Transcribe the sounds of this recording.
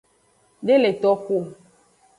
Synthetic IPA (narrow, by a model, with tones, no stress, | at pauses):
ɖe˦le˨t̪ɔ˦ko˦˨